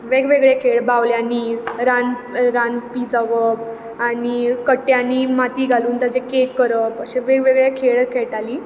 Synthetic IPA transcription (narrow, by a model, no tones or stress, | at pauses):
ʋeɡʋeɡɭekʰeɭbawljãniːɾan | ɾanpid͡zəʋəp | anikəʈːjanimat̪iːɡʱaluːnt̪ad͡ʑẽkeʈ̚kəɾəpəɕẽʋeɡʋeɡɭekʰeɭkʰeɭʈaliː